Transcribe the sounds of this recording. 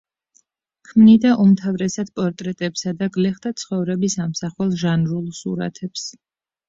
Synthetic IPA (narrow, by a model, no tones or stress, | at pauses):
kʰmnid̪aʔumt̪ʰavɾɛsad̪̥pʼɔɾt̪ʼɾɛt̪ʼɛpsad̪aɡlɛχd̪at̪sʰχɔvɾɛbisamsaχwɛlˠʒanɾulˠsṵɾa̰t̪ʰɛps